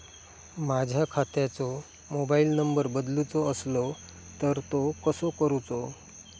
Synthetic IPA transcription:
mad͡ʑʱjakʰat̪jat͡sɔ | mobailnəmbəɾbəd̪lut͡sɔəslɔ | t̪əɾt̪okəsokəɾut͡so

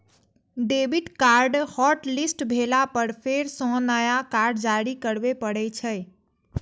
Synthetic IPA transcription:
ɖebiʈkaɾɖhɔʈlisʈbʱelapəɾpʰeɾsɔ̃nəjakaɾɖd͡ʒaɾikəɽbepəɽɛt͡ʃʰəj

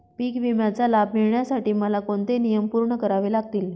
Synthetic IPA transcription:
piːkʋimjat͡salab̚miɭɳjasaʈiːməlakoɳt̪enijəmpuɾɳəkəɾaʋelaɡt̪iːl

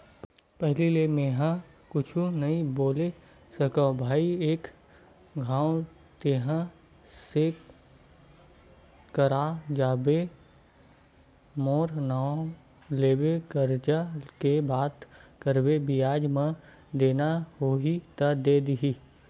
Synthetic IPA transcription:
pɛɦlilemeɦã | kʊt͡ʃʰunɐĩboːle | sɐkabʱaːieːk | ɡʱãːw | t̪eːɦã | se | kəɾad͡ʒaːbe | moːɾnaː | leːbekəɾd͡ʒakebaːt̪kəɾbebɪjaːd͡ʒmã | d̪eːnaɦoit̪ɐd̪eːd̪iɦi

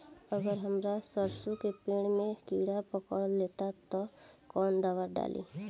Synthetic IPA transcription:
əɡəɾɦəmɾasəɾsukepeːɽ̃mẽkiːɽapəkəɽleːt̪at̪ɔkɔːnd̪aːʋaɾɖa̰ːlʔḭː

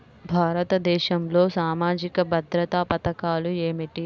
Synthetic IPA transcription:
bʱaːɾɐt̪ɐd̪ɛːʃɐmlo̞ːsaːmaːd͡ʒikɐbʱɐd̪ɾɐt̪aːpɐt̪ɐkaːlueːmiʈi

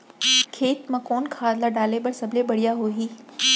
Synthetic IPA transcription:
kʰeːt̪mãkoːnkʰaːd̪laɖaːlebɐɽsɐbʱlebɐɽijaɦoːɦiː

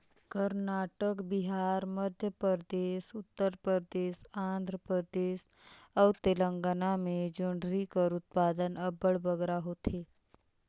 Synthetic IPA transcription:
kəɾnaʈəkbiɦaɾməd̪ʱjəpəɾd̪esut̪ːəɾpəɾd̪eːʃaːnd̪ʱɾəpɾəd̪eːs | əwt̪eləŋɡanamed͡ʒuɳɖɾikəɾut̪̚pad̪ənəbəɭbəɡɾaɦot̪ʰe

